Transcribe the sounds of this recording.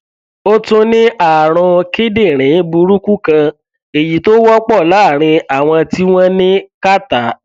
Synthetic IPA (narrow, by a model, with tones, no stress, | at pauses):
o˦tũ˦nĩ˦ʔa˦˨ɾ̃ɔ̃˧ki˦de˦˨ɾ̃ĩ˨˦bu˧ɾu˦ku˦kã˧ | e˨ji˨to˦wɔ˦k͡pɔ˦˨la˨˦˨ɾ̃ĩ˧a˨w̃ɔ̃˧ti˦w̃ɔ̃˦nĩ˦ka˦ta˨˦